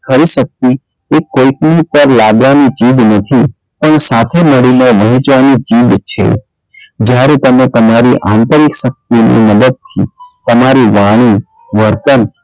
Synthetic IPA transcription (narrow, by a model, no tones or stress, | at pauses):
kʰəɾisək̚t̪i | ekoknipəɾlaɡʋanit͡ʃiːd͡ʒnət̪ʰi | pəɳsaːt̪ʰeməɽineʋəɦĩt͡ʃʋanit͡ʃiːdt͡ʃʰḛ | d͡ʒjaːɾet̪əmẽt̪əmaɾiʔãnt̪əɾɪkʃək̚t̪inḭməd̪əd̪̚t̪ʰḭt̪əmaɾiʋaːɽ̃i | ʋəɾt̪ən